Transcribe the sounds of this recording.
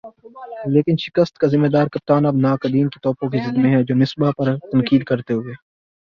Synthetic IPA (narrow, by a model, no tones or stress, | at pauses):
leːkɪnʃɪ̥kəst̪kazɪmːeːd̪aːɾkɐp̚t̪aːnɐbnaːkɐd̪iːnkit̪ɔːpõk̬izɪd̪mẽɦɛ̃d͡ʒoːnɪsbapɐɾt̪ɐnkiːd̪kɐɾt̪eɦoeː